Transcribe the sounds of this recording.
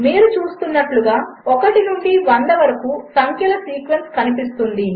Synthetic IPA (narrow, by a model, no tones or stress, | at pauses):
miːɾut͡ʃuːst̪unːɐʈluɡaː | ɔkɐʈinuɳɖiʋɐnd̪ɐʋɐɾɐkuːsɐŋkjɐlɐsiːkʋenskɐnipist̪und̪i